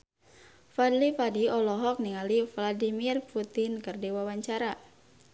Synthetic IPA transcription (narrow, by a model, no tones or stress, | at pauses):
fadlipadiɔlɔɦɔk̚niŋalifladimirput̪inkərdewawaɲt͡ʃaɾa